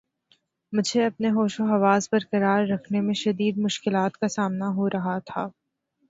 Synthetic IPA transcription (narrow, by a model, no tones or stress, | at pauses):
mʊd͡ʒʱeɐpneɦoːʃoɦɐʋaːzbɐɾkɐɾaːɾːɐkʰnemẽʃɐd̪iːd̪mʊʃkɪlaːt̪kasaːmnaɦoɾʔɐɦat̪ʰaː